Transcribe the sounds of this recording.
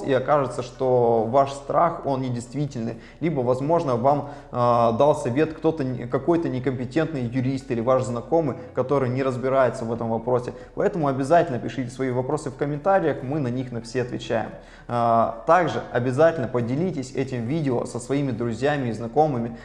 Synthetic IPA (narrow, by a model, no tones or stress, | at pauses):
sḭɐkaʐɨt̪səʂt̪o̞vaʂst̪ɾaxo̞nnʲɪdʲɪjst̪vʲitʲɪlʲnɨ̰j | lʲibəvɐzmo̞ʐnəvam | d̪alˠsʲɐvʲe̞t̪kt̪o̞t̪əkɐko̞jt̪ənʲɪkəmʲpʲɪtʲe̞nt̪nɨjjʊɾʲist̪ilʲɪvaʂznɐko̞mɨj | kɐt̪o̞ɾɨjnʲɪɾəzbʲɪɾajɪt̪səvɛt̪əmvɐpɾo̞sʲɪ | pɐɛt̪əmʊɐbʲɪzatʲɪlʲnəpʲɪʂɨtʲɪ̥svɐivɐpɾo̞sɨfkəmʲɪnt̪aɾʲɪjəxmɨnɐnʲixnɐfsʲeɐt̪vʲɪ̰t͡ɕæjɪ̰m | t̪aɡʐɨ̰ɐbʲɪzatʲɪlʲnəpədʲɪlʲitʲɪsʲɛtʲɪmvʲidʲɪo̰səsvɐimʲɪd̪ɾʊzʲjæmʲɪːznɐko̞mɨmʲɪ